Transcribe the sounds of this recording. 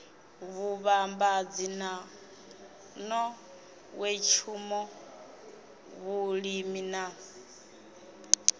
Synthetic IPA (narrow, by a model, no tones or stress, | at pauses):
βuβambad͡zina | nɔ | wɛt͡ʃʰumɔ | βuɺimina